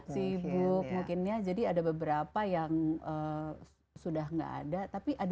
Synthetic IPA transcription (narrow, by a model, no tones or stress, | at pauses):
sibʊk̚mukɪnɲad͡ʒadiadabəbəɾapajaŋə | sudaɦŋɡa̰ʔa̰dat̪apiʔad